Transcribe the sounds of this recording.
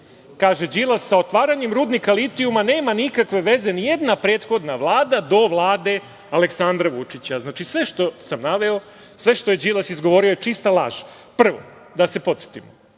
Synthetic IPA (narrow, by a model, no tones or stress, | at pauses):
kaːʒe̞d͡ʑilˠasːao̞t̪ʋaːɾaɲemɾuːd̪nikalit̪iumane̞ːmanikakʋe̞ʋe̞ze̞nije̞d̪napɾe̞ːt̪xo̞d̪naʋlˠaːd̪ad̪o̞ʋlˠaːd̪e̞ | aleksand̪ɾaʋut͡ʃit͡ɕaznaːt͡ʃisʋe̞ʃt̪o̞samnaʋe̞o | sʋe̞ʃt̪o̞je̞d͡ʑilasizɡoʋo̞ːɾiojet͡ʃist̪alˠa̰ːʒ | pr̩ʋo̞̰ | d̪ase̞po̞t̪se̥t̪imo